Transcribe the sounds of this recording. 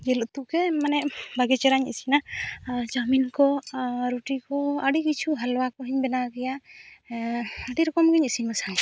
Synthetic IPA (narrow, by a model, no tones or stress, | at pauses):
d͡ʒɛlɔʔt̪ukɛmanɛbaɡɛt͡ʃɛɾaɲḭsinad͡ʒaminkɔɾuʈikɔaɖikit͡ʃʰuɦalwakɔɦiɲbɛnaɡɛja | aɖiɾɔkɔmɡiɲɛsinmasaŋ